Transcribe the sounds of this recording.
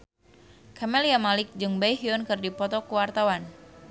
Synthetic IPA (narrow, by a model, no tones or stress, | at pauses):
kʰamɛliamalɪk̚d͡ʒɨŋbajɦiɔnkɨrdipɔt̪ɔkuwart̪awan